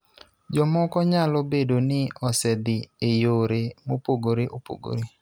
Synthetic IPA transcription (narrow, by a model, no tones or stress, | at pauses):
d͡ʒɔmɔkɔɲalobedonɪɔsɛd̪ɪejoɾemopoɡoɾeʔopo̰ɡo̰ɾe